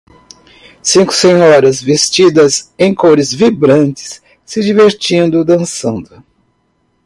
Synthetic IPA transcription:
sĩŋkʊ̥sẽɲɔɾɐzvest͡ʃid̪ɐzẽj̃koɾɪzvibɾɐ̃nt͡ʃɪ̥sː | ɪd͡ʒiveɾt͡ʃĩnd̪ʊd̪ɐ̃sɐ̃nd̪ʊ

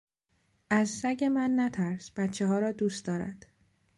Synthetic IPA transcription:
ʔæzsæɟe̞mænːæt̪ʰæɾsb̥æt̪t͡ʃʰːeɦɒːɾɒːd̪uːst̪d̪ɒːɾæ̰d̪̥

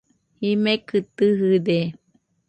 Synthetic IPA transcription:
himẽkɨt̪ɨɦɨde

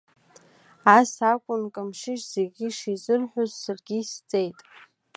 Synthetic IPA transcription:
asakʷʼʊnkʼamʂɪʃz̥eɡʲiʂizɨrħʷᶣʊzːarɡʲist͡sʼejtʼ

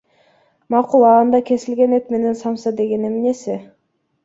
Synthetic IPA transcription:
mɑqulˠɑːnd̪ɑkʰe̞sɪlɡe̞net̪me̞ne̞nsɑmsɑd̪e̞ɡe̞ne̞mne̞sɪ

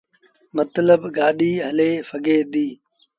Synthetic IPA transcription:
mət̪ləbɡaːɗiːɦəleːfəɡeːd̪iː

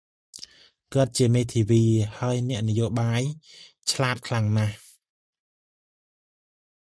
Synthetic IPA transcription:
kə̆ət̪̚t͡ɕiəmeːt̪ʰiːʋiːhaəjnɛ̆əʔnɨjoːɓaːj | t͡ɕʰlaːt̪̚kʰlaŋnah

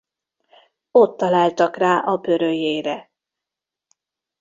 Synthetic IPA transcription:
o̞t̪ːɒlaːlt̪ɒkraːʔɒbø̞ɾøjeːɾɛ

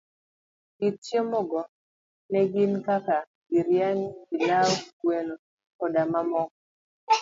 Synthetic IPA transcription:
ɡitt͡ʃjɔmɔɡɔ | nɛɡɪnkaka | ɡiɾjaŋɡilaɔweno | kɔdamamɔk̚

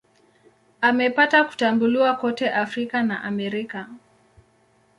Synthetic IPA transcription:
amɛpataku̥tambuliwakɔtɛʔafɾikanaʔamɛɾika

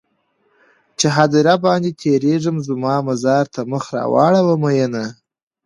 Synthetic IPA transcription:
t͡ʃeɦad̪iɾabɑnd̪et̪ʰeɾeʐəmzmɑmazɑɾt̪ʰaməxɾɑ̰wɑ̰ɽawəmajəna

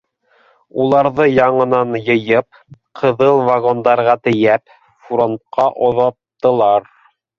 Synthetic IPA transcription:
ulˠɑɾðɤjɑɴɤ̆nɑnjɤ̆jɤp̚ | qʰɤ̆ðɤlˠvaɣond̪ɑɾʁɑt̪ɘ̆jæp | fɾont̪̚qʰɑʔŏðɑtt̪ːɤ̆lˠɑɾ

